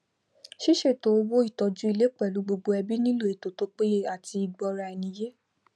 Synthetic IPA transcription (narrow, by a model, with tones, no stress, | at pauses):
ʃi˦ʃe˦˨to˨˦o˧wo˦i˦˨tɔ˨d͡ʒũ˦i˧le˦k͡pɛ˦˨lu˨˦ɡ͡bo˧ɡ͡bo˧ɛ˧bi˦nĩ˦lo˦˨e˨to˨to˦k͡pe˦a˦˨ti˧i˨ɡ͡bɔ˧ɾa˧ɛ˧nĩ˧˦je˦